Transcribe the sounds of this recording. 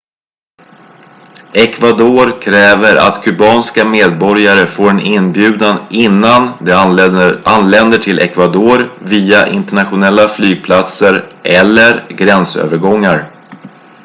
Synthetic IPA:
ɛkvad̪oːɾkʰɾɛːvəɾa̰t̪kʰɵbɑːnskameːd̪̚bɔɾjaɾəfoːɾɛnɪnbjʉ̟ːd̪anɪnːand̪ | ʔanlɛnd̪əʈʰɪlʔɛ̰kvad̪oːɾviːaʔɪ̰nt̪ɛɳat̪ɧʊnɛlːaflyːɡ̚pʰlat̪səɾʔɛlːəɾɡɾɛnsø̰ːvəɾɡɔŋːaɾ

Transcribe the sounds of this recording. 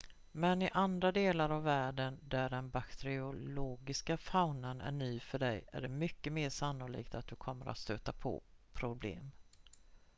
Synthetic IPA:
mɛnɪʔand̪ɾad̪eːlaɾavːæːɖənd̪æɖɛnbakt̪ʰɛɾɪʊloːɡɪskafaʊnənæ̰ɳyːfœɖɛjæ̰ɖɛmʏkːəmeːʂanːʊlḭːkt̪at̪̚d̪ɵkʰɔmːəɾʔa̰t̪st̪øːt̪apʰɔ̰pʰɾʊblḛːm

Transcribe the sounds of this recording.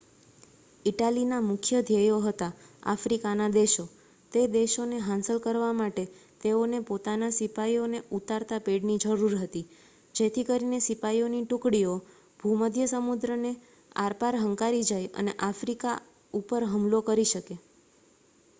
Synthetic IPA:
iʈalinamʊkʰjəd̪ʱjejoɦət̪aa̰fɾikanad̪eʃo | t̪ed̪eʃoneɦãnsəlkəɾʋamaʈet̪eonepot̪anasipaioneut̪aɾt̪apeɖnid͡ʒəɾuɾɦət̪i | d͡ʒet̪ʰikəɾinesipaioniʈʊkɽio | b̥ʱuməd̪ʱjəsəmud̪ɾəne | a̰ɾpaɾɦəŋkaɾid͡ʒajə̰neʔafɾika | upəɾɦəmlokəɾiʃəke

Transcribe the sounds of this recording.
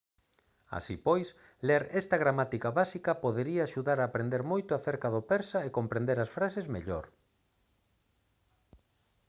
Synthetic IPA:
a̰sipojs | leɾɛst̪ɐɣ̞ɾamat̪ikaβasikɐpoðeɾiaːʃuðaɾaːpɾend̪eɾmojt̪ʊaθeɾkaðopɛɾsɐekompɾẽnd̪eɾɐsfɾasezmeʎo̰ɾ

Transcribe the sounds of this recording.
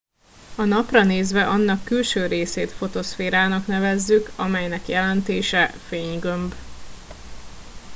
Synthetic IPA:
ɒnɒprɒneːzvɛʔɒnːɒkːylʃøːɾeːseːt̪fo̞t̪o̞sfeːɾaːnɒknɛvɛzːykɒmɛjnɛkjɛlɛnt̪eːʃɛfeːɲɡømb

